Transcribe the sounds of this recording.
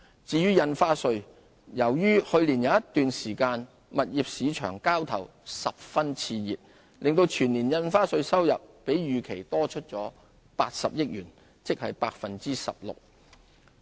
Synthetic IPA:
t͡siː˧jyː˥jɐ˧nfaː˥sɵ˧ɥ | jɐ˨˩wjyː˥hɵ˧ɥliː˨˩nja˨˧˥jɐ˥t̪ːyː˨nsiː˨˩kaː˧n | mɐ˨t̚jiː˨p̚siː˨˧t͡ʃʰœ̰ː˨˩ŋkaː˥wt̪ʰɐ̰˨˩w | sɐ˨p̚fɐ˥nt͡sʰiː˧jḭː˨p̚ | lʔɪ˨ŋt̪o˧wt͡ʃʰyː˨˩niː˨˩njɐ˧nfaː˥sɵ˧ɥsɐ˥wjɐ˨p̚ːe˨˥jjyː˨kʰe˨˩jt̪ɔː˥t͡ʃʰɵ˥t̚t͡sɔː˨˥ | paː˧t̚sɐ̰˨p̚jɪ˥k̚jyː˨˩n | t͡sɪ˥k̚hɐ˨jpaː˧k̚fɐ˨nt͡siː˥sɐ̰˨p̚lʊ̰˨k̚

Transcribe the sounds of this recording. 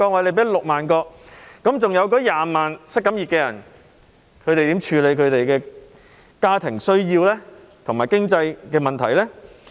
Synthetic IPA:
kɔː˧k̚wɐ˨jle˨˧jpe˨˥lʊ˨k̚maː˨˩nkɔː˧k̚kɐ˨˥mt͡sʊ˨ŋjɐ˨˧wkɔː˨˥jaː˨maː˨˩nsɐ˥kɐ˨˥mjiː˨t̚kɛː˧jɐ˨˩n | kʰɵ˨˧ɥt̪e˨jt̪iː˨˥mt͡ʃʰyː˨˧le˨˧jkʰɵ˨˧ɥt̪e˨jkɛː˧ | kaː˥t̪ʰɪ˨˩ŋsɵ˥ɥjiː˧wlɛː˥ | t̪ʰʊ˨˩ŋmaː˨˩jkɪ˥ŋt͡sɐ˧jkɛː˧mɐ˨nt̪ʰɐ˨˩jlɛː˥

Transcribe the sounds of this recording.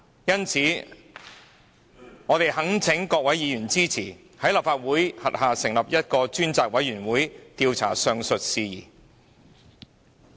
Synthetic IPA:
jɐ˥nt͡sʰiː˨˥ | ŋɔː˨˧t̪e˨jɦɐ˨˥ŋt͡sʰɪ˨˥ŋkɔː˧k̚wɐ˨˥jiː˨˧jyː˨˩nt͡siː˥t͡sʰiː˨˩ | hɐ˨˥jlɐ˨p̚faː˧t̚wuː˨˥jhɐ˨˩t̚haː˨sɪ˨˩ŋlɐ˨p̚jɐ˥t̚kɔː˧t͡ʃyː˥nt͡saː˧k̚wɐ˨˥jɥyː˨˩nwuː˨˥jt̪iː˧wt͡sʰa̰ː˨˩sœː˧ŋsɵ˨t̚siː˧jḭː˨˩

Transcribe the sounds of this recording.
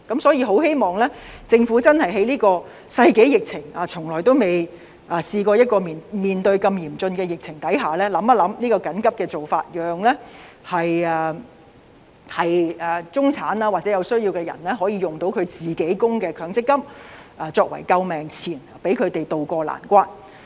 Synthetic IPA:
kɐ˨˥msɔː˨˥jiː˧ɦo˨˥whe˥jmɔː˨˩ŋlɛː˥t͡sɪ˧ŋfu˨˥t͡sɐ˥nhɐ˨jɦe˨˥jliː˥kɔː˧ | sɐ˧jke˨˥jɪ˨k̚t͡sʰɪ˨˩ŋaː˨t͡sʰʊ˨˩ŋlɔː˨˩jt̪o˥wme˨j | ʔaː˨˩siː˧kɔː˧jɐ˥t̚kɔː˧miː˨˩nmiː˨nt̪ɵ˧ɥkɐ˧mjiː˨˩mt͡sɵ˧nkɛː˧jɪ˨˩k̚t͡sʰɪ˨˩ŋt̪ɐ˨˥jɦaː˨˩lɛː˥lɐ˨˥mɐ˥lɐ˨˧˥mniː˥kɔː˧kɐ˨˥nkɐ˥p̚kɛː˧t͡so˨wfa̰ː˧t̚jœː˨ŋlɛː˥ | hɐ˨jɛː˨˩ | hɐ˨jɐː˨˩t͡sʊ˥ŋt͡sʰaː˨˥naː˧waː˨˩t͡sɛ˨˥jɐ˨˧wsɵ˥ɥjiː˧wkɛː˧jɐ̰˨˩nlɛː˥ɦɔː˨˥jiː˨˧jʊ˨ŋt̪o˨˥wkʰɵ˨˧ɥt͡siː˨ke˨˥jkʊ˥ŋkɛː˧kʰœː˨˥ŋt͡sɪ˥kːɐ˥p̚aː˨˧t͡sɔː˧k̚wɐ̰˨˩jkɐ˧wmɛː˨ŋt͡sʰiː˨˩n˨pe˨˥jkʰɵ˨˧ɥt̪e˨jt̪o˨wkɔː˧la̰ː˨˩nkʷaː˥n

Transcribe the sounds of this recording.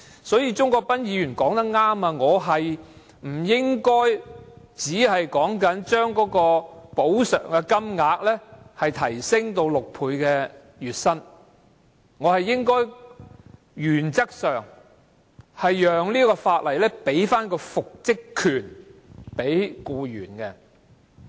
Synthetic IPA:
sɔː˨˥jiː˧t͡ʃʊ˥ŋkɔː˧k̚pɐ˥njiː˨˧jyː˨˩nkɔː˨˥ŋt̪ɐ˥k̚ŋaː˥maː˧ŋɔː˨˧ɦɐ˨j | m̩˨˩jɪ˥ŋkɔː˥j | t͡siː˨˥hɐ˨jkɔː˨˥ŋkɐ˨˥nt͡ʃœː˥ŋkɔː˨˥kɔː˧po˨˥wsœ̰ː˨˩ŋkɛ˧kɐ˥mŋaː˧k̚lɛː˥hɐ˨jt̪ʰɐ˨˩jsɪ˥ŋt̪o˧wlʊ˨k̚pʰuː˧jkɛː˧ | ɥyː˨t̚sɐ˥n | ŋɔː˨˧hɐ˨jːɪ˥ŋkɔː˥j | jyː˨˩nt͡sɐ˥k̚sœː˨ŋ | hɐ˨jːœː˨ŋliː˥kɔː˧faː˧t̚lɐ˨˩jlɛː˥pe˨˥jfaː˥nkɔː˧fʊ˨k̚t͡sɪ˥kʰːyː˨˩npe˨˥jkuː˧jyː˨˩nkɛː˧

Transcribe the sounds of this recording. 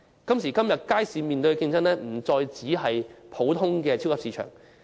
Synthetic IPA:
kɐ˥msiː˨˩kɐ˥mjɐ˨t̚kaː˥jsiː˨˧miː˨nt̪ɵ˧kɪ˧ŋt͡sɐ˥nlɛː˥m̩˨˩t͡sɔː˧jt͡siː˨˥ɦɐ˨jpʰo˨˥wt̪ʰʊ˥ŋkɛː˧t͡sʰi˥wkʰːpsiː˨˧t͡ʃʰœ̰ː˨˩ŋ

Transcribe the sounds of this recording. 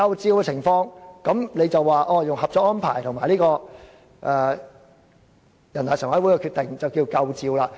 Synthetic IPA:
ɐ˧wt͡siː˧wkɛ˧t͡sʰɪ˨˩ŋfɔː˧ŋkɐ˨˥mle˨˧jt͡sɐ˨wːaː˨ʔɔː˧jʊ˨ŋhɐ˨p̚t͡sɔː˧k̚ːɔː˥npʰa̰ː˨˩jt̪ʰʊ˨˩ŋmaː˨˩jliː˥kɔː˧ | ʔɛː˨˧ | jɐ˨˩nt̪aː˨˩swɐ˨˥wːjkɛː˧kʰyː˧t̪̚ɪ˨ŋt͡sɐ˨wkiː˧kɐ˧wt͡siː˧wlaː˧

